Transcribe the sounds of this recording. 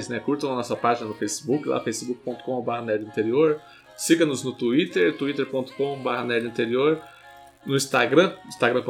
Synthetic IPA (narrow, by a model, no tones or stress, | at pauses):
znɛkuɾt̪ɐ̃w̃ɐnɔsɐpaʒinɐnʊfejsibukɪla̰fejsɪbukɪ̥põnt̪ʊ̥kõbaɦɐnɛd͡ʒɪĩnt̪eɾioɾ | siɡɐ̃nʊznʊt̪uit̪eɾt̪uit̪eɾpõnt̪ʊ̥kõbahɐnɛd͡ʒĩnt̪eɾioɾ | nʊĩst̪aɡɾɐ̃ĩst̪aɡɾɐ̃p